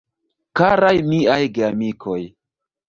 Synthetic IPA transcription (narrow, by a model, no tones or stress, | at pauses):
kaɾajmiajɡeamikʰoj